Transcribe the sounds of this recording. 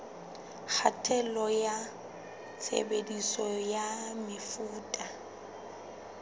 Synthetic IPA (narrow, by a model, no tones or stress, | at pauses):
k͡xʰatʰʼɛlɔja | t͡sʰḛbedisɔjamɪfuːtʼa